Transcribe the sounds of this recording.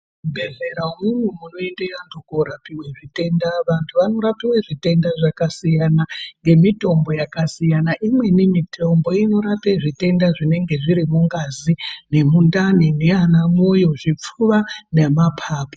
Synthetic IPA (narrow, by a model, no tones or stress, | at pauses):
ubʱe̞zeɾaumumwemuno̞endejantʰukoɾapiweʐite̞ndaʋantʰuʋano̞ɾapiweʐite̞ndaʐakasijanaŋɡe̞mito̞mbo̞jakasijanaʔimwe̞nemitʰo̞mbo̞ino̞ɾapeʐite̞ndaʐine̞ŋɡe̞ʐiɾimuŋɡazine̞mundanineanamujo̞ʐip͡fuʋanemapʰaːpo